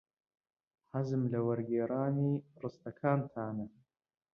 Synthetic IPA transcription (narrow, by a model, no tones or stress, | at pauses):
ħazɨmlɐwɐɾɡeːɾaːniːrɨst̪ɐkʰaːnt̪ʰaːnɐ